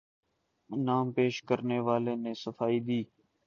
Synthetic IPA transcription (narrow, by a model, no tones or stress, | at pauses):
naːmpeːʃkəɾneːʋaːleːnẽːsəfaːiːd̪iː